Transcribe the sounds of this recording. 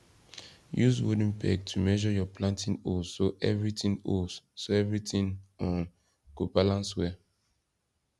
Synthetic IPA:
juswodĩŋpʰɛ̰ɡ̚tʰumɛʒɔjɔpʰlãntʰĩnosoʔɛvɹitĩŋossoɛvɹitĩŋɔ̃n | ɡ̥obalãnswɛ

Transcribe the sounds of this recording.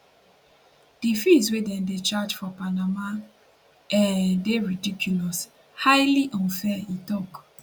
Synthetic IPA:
d̥ifiswedɛ̃ndet͡ʃad͡ʒfɔpanama | ɛdeɹidikʰjulɔs | haɪliʔɔ̃nfɛitɔk

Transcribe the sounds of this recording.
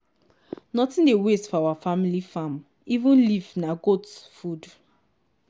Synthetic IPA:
nɔtĩndewestfɔawafamilifãm | ivũnlivnaɡotsfud

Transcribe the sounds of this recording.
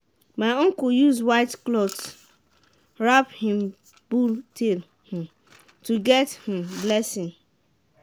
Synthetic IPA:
maɪɔ̃ŋkujuzwaɪtklɔt | ɹaphĩm | b̥utel | hũ | tuɡɛthĩmblɛsɪ̃n

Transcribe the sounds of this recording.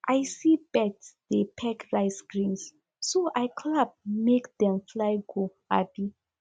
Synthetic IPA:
ʔajsibɛtsdepʰɛkɹaɪsɡɹĩns | soʔajkʰlab̚mekdɛ̃mflajɡoha̰bi

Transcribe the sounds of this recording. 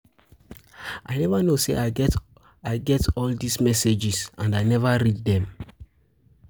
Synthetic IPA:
ʔaɪnɛvanosḛʔaɪt | aɪɡɛtɔldismɛsed͡ʒisãnaɪnɛvaɾid̚dɛ̃m

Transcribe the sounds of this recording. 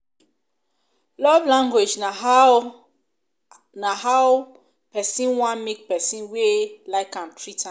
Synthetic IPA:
lɔvlãŋɡwed͡ʒna | naɦaw | pɛsĩnwãnmik̚pɛsĩnwelaɪkãntʰɹitʰã

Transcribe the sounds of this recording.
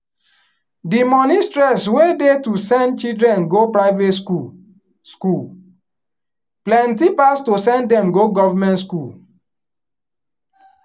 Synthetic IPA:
dimɔnistɹɛswedetusɛ̃ndt͡ʃidɾɹɛ̃nɡopɹaɪvetu | skul | plɛ̃ntipastosɛ̃ndɛ̃mɡoɡɔvamɛ̃ntskul

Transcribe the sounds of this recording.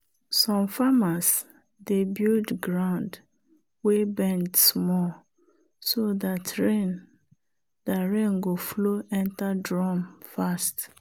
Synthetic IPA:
sɔ̃mfamas | debildɡɹãʊ̃nd | webɛ̃ntsmɔl | soðatɹẽn | daɹẽŋɡofloʔɛ̃ntadɹɔ̃mfast

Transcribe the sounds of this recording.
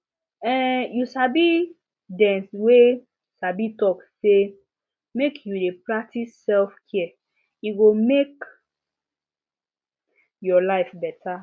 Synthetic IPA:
ɛjusabi | dɛ̃nswe | sabitɔkse | mekʰjudeplatisɛlfkʰiɛ | iɡomek | jɔlaɪfbɛtʰa

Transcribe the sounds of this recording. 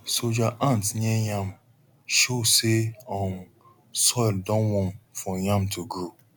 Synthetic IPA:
sod͡ʒaʔãntɲejãm | ʃoseɔ̃m | sɔɪldɔ̃nwɔ̃nfɔjãmtʰuɡo

